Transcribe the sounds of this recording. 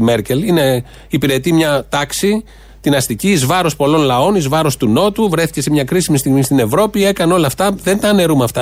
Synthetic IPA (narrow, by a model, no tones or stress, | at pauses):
meɾce̞line̞ | ipiɾe̞t̪imɲɐt̪ɐksi | t̪inɐst̪iciːzvɐɾo̞spo̞lo̞nlɐo̞nizvɐɾo̞st̪uno̞t̪uvɾe̞θi̥ce̞semɲɐkɾisimist̪iɣmist̪ine̞vɾo̞pie̞kɐneo̞lɐft̪ɐðe̞nt̪ɐːne̞ɾumɐft̪ɐ